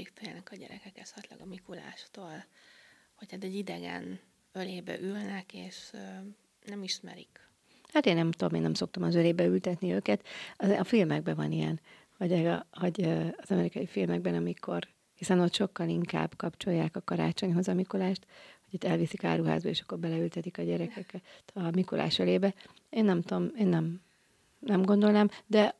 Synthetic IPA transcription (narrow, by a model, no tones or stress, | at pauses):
ikt̪ojanɛkɒɟɛ̰ɾɛkɛkɛsɒt̪lɒ̰ɡɒmikula̰ːʃt̪oːl | ho̞chaːt̪ɛɟid̪ɛɡɛ̰n | øleːbɛ̰ʔylnɛkeːʃ | nɛmiʃmɛ̰ɾik | hat̪eːnnɛmt̪omeːnɛmso̞k̚t̪ɒmɒzøleːbɛylt̪ɛt̪niøːkɛt̪ɒɒfilmɛɡ̚bɛvɒnijɛn | hɒɟɛɡho̞ɟøːzɒmɛɾikɒjifilmɛɡ̚bɛnɒmikʰo̞r | hisɛno̞t̪ʃo̞kːɒliŋka̰ːbːkɒpt͡ʃo̞jːaːkɒkɒɾa̰ːt͡ʃo̞ɲɦo̞zɒmikolaːʃt̪ho̥ot̪ːɛlvisika̰ːɾuɦa̰ːzbɒeːʃɒ̥kːo̞rbɛlɛylt̪ɛt̪ikɒɟɛɾɛkɛkɛt̪ʰɒmiko̰lʔa̰ːʃøleːbɛ | eːnːɛmt̪meːnːɛm | nɛmɡo̞nd̪o̞lnaːmd̪ɛ